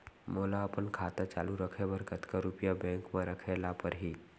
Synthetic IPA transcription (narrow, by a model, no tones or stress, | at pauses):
moːlaəpənkʰaːt̪at͡ʃa̰ːluɾəkʰebəɾkʰət̪kaɾupjabɛ̃ːŋkmẽɾəkʰelapəɾɦi